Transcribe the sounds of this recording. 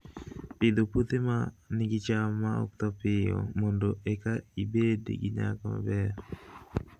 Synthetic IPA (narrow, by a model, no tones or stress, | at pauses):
pid̪oput̪emaniɡit͡ʃamaɔ̰k̚t̪ɔpɪjɔ̰mondoɛkaibedḛɡiɲa̰kama̰bɛːɾ